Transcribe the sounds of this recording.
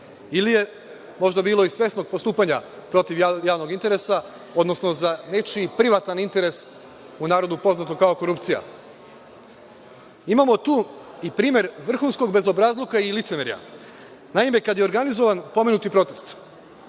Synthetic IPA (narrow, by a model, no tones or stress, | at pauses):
ilije̞ | mo̞ʒd̪abiːlo̞isʋje̞st̪no̞ɡ̚po̞st̪uːpaɲapɾo̞t̪iʋjjaːʋno̞ɡint̪e̞ɾesa | od̪no̞sno̞zane̞t͡ʃipɾiʋat̪anint̪e̞ɾe̞s | unaːɾo̞d̪upo̞znat̪o̞kao̞ko̞ɾupt̪sija̰ | imamo̞t̪uːipɾiːmje̞ɾʋr̩xunsko̞ɡ̚be̞zo̞bɾazlˠokailit̪semeɾja̰ | naime̞kad̪jeo̞ɾɡanizo̞ʋanpo̞menut̪ipɾo̞t̪e̞st̪